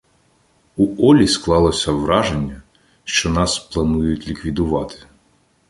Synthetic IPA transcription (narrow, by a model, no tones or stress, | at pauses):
uɔlʲisklˠɑlˠɔsʲɐʋɾɑʒenʲːɐ | ʃt͡ʃɔnɑsplˠɐnujʊtʲlʲikʋʲid̪ʊʋɑt̪ɪ̥